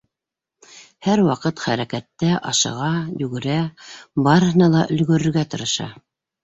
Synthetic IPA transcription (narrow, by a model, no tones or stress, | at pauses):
hæɾwɑqɤt̪χæɾækæt̪ːæʔɑʃɤ̰̆ʁɑjʉɡɘ̆ɾæbɑɾɤhɤ̆nɑlˠɑʔɵ̆lɡɵ̆ɾɵ̆ɾɡæt̪ɤ̆ɾɤ̆ʃɑ̰